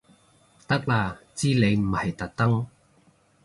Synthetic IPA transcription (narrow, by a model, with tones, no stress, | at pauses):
t̪ɐ˥k̚laː˧t͡siː˥le˨˧jm̩˨˩ɐ˨˩jt̪ɐ˨k̚t̪ɐ˥ŋ